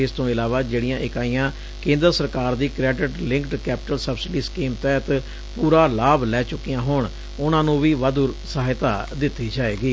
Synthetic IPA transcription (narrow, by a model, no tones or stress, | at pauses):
ɪst̪õːɪlaːʋaːd͡ʒeːɽijãːʔɪkaːijãː | kẽːnd̪əɾsəɾkaːɾd̪iːkɾɛːɖɪʈlɪ̃ŋkʈkɛːpɪʈəlsəbsɪɖiːskiːmt̪ɛːt̪ | puːɾaːlaːblɛːt͡ʃʊkːijãːɦʊɳ | ʊnãːnũːʋiːʋad̪ʊɾsəɦaːɪt̪aːd̪ɪt̪ːiːd͡ʒaːeːɡiː